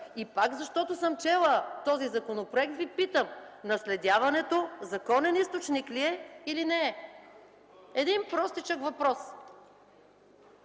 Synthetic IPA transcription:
ipakzɐʃt̪ɔt̪osəmt͡ʃɛlˠət̪ɔzizɐkonopɾoɛk̚t̪vipit̪əmnɐslɛd̪ʲjavɐnɛt̪ozɐkɔnɛnist̪ot͡ʃnikliɛilinɛ | ɛd̪inpɾɔst̪it͡ʃəkvɐpɾɔs

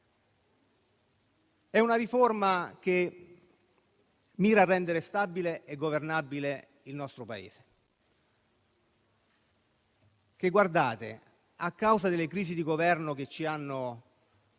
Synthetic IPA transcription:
ɛunaɾiformake | miːɾaːrːɛnd̪eɾest̪abileeɡovernabile | ilnɔst̪ɾopaḛːz̥e̥ | k̟eɡward̪aːt̪ḛ | akːawzad̪elːekɾiːzid̪iɡovɛrnok̟et͡ʃːianːo

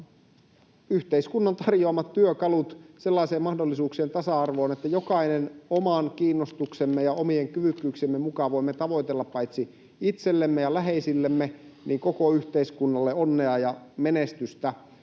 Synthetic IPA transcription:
yht̪eiskunːɑnt̪ɑrjoɑmɑt̪tyøkɑlut̪se̞lːɑˑiseːmɑhdolːisuːkseːnt̪ɑsɑɑrʋoːnet̪ːæjokɑinenomɑnkiːnːost̪uksemːejɑomieŋkyʋykːyːksemːemukɑʋoimːet̪ɑʋoit̪elːɑppɑit̪si | it̪selːemːejɑlæɦeisilːemːenʔiːŋkokoyht̪eiskunːɑlːeonːeɑjɑmenest̪yst̪æ

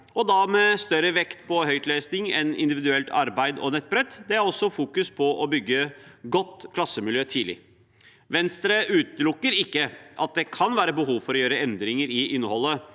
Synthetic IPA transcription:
ɔd̪ɑmɛst̪œɾəʋɛkt̪pʰɔhœʏt̪leːsnɪŋɛnɪ̰nd̪ɪʋɪd̪ʉɛlt̪ʰɑ̰ɾbæɪd̪ɔ̰nɛt̪̚ːbɾɛt̪ːd̪ɛæɾɔsːɔfuːkʉspʰɔʔɔbʏɡːəɡɔt̪ːkʰlɑsəmɪljøːt̪ʰiːlɪ̰ | ʋɛnst̪ɾəʔʉːt̪əlʊkːəɾɪkːəʔɑt̪̚d̪ɛkʰɑnʋæːɾəbəɦuːʋfɔɾɔjøːɾəɛnd̪ɾɪŋəɾɪʔɪnːəhɔlːə

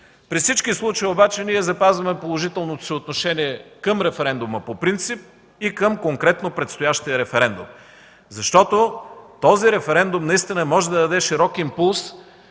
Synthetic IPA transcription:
pɾifsit͡ʃkislˠut͡ʃəjiobat͡ʃɛniɛzɐpazvɐmɛpolˠoʒit̪ɛlˠnot̪o̥siot̪noʃɛniɛkəmɾɛfɛɾɛnd̪ʊməpopɾint̪sip̚ | ikəmkoŋkɾɛt̪nopɾɛt̪st̪ojaʃt̪ijəɾɛfɛɾɛnd̪ʊ̰m | zɐʃt̪ɔt̪ot̪ɔziɾɛfɛɾɛnd̪umnɐist̪inəmɔʒɛd̪ɐd̪ɐd̪ɛʃiɾɔkimpulˠs

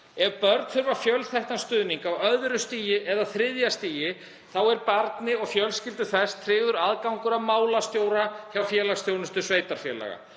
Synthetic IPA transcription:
ɛɾpœɾt̪fʏɾvafjœlθɛht̪anst̪ʏːðniŋkawœðɾʏst̪iːjɪʔɛðaθɾɪðjast̪iːjɪ | θawɛɾpaɾt̪nɪɔɣfjœlscɪlt̪ʏθɛst̪ʰːɾɪːɣðʏɾaðkawŋkʏɾavmaːwlast̪joːwɾaçawfjɛːlaɣst̪jownʏst̪ʏ̥sveːjt̪aɾ̥fjɛlɛ̰ɣa̰

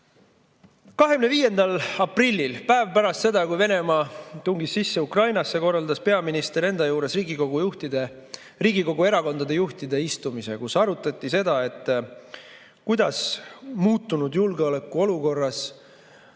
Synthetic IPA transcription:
kɑɦe̞ɡmne̞viːje̞nd̪ɑlɑprilʲːilpæevpæɾɑst̪se̞d̪ɑkujve̞ne̞mɑt̪uŋɡisːisːe̞ukrɑjnɑsːe̞ko̞rːɑld̪ɑspe̞ɑminist̪e̞ɾe̞nd̪̥ɑjuːɾe̞sriːɡiko̞ɡujuht̪id̪e | riːɡiko̞ɡ̥ue̞ɾɑko̞nd̪ɑd̪e̞juht̪id̪e̞ist̪umise̞̰kusɑɾut̪ːˑɑt̪ʲˑːise̞d̪̥ɑe̞t̪ːˑ | kujd̪ɑsmuːt̪ːˑunud̪julɡeo̞le̞kːˑuo̞luko̞rːɑs

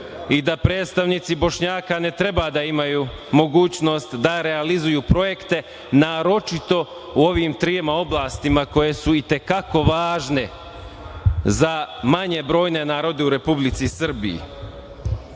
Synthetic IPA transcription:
id̪apɾe̞ːd̪t̪st̪aʋniːt̪sibo̞ʃɲaːkane̞t̪ɾe̞bad̪aimajuː | mo̞ɡuːt͡ɕno̞st̪d̪aɾe̞alizujuːpɾo̞je̞kt̪e̞ | naːɾo̞t͡ʃit̪o̞ | uo̞ʋimt̪ɾijemao̞blˠaːst̪imako̞je̞suit̪e̞kako̞ʋaːʒne̞ | zamaɲe̞bɾo̞ːjne̞naːɾo̞d̪e̞uɾe̞publit̪sisr̩bijḭ

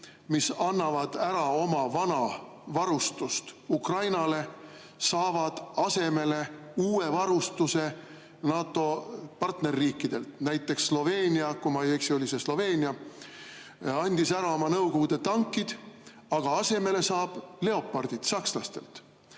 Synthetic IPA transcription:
misɑnːɑvɑd̪̥æɾɑo̞mɑvɑnɑ | vɑɾust̪ust̪ukrɑjnɑle̞ | sɑːvɑd̪̥ɑse̞me̞le̞uːe̞vɑɾust̪use̞ | nɑːt̪ːˑo̞pɑrt̪ne̞rːiːkːˑid̪̥e̞lt̪næjt̪ːˑe̞ksːlo̞ve̞ːnʲiɑkumɑjeksio̞lʲise̞slo̞ve̞ːnʲiɑ | ɑnʲd̪̥isæɾɑo̞mɑnɤwko̞ɡud̪̥e̞t̪ɑŋkːid̪̥ | ɑɡ̥ɑɑse̞me̞le̞sɑːb̥le̞o̞pːˑɑrd̪̥id̪̥sɑkslɑst̪e̞̰lt̪

